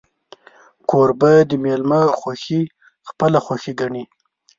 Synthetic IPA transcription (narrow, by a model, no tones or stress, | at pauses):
kʰoɾbad̪əmelmaxwaxi | xpəlaxwaxiɡaɳi